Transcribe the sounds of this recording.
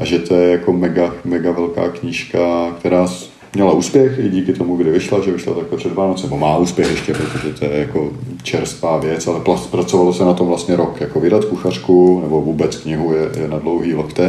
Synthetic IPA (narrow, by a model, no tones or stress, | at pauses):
ʔaʒɛt̪ojɛjako̞mɛɡamɛɡavɛlka̰ːkɲɪʃkakt̪ɛɾaːs | mɲɛlauːspjɛxɪɟiːkɪt̪omuɡdɪvɪʃlaʒɛvɪʃla̰t̪aklɛpr̥ɛdvaːnot͡sɪnɛbomaːuːspjɛxʔɛʃcɛpɾot̪oʒɛt̪ojɛjako̞t͡ʃɛɾst̪vaːvjɛt͡sʔalɛpapɾat͡sovalosɛnat̪omvlast̪ɲɛɾokjakovɪdat̪kuxar̝̥kunɛbo̞vuːbɛt͡skɲɪɦujɛjɛnadlowɦiːlokt̪ɛ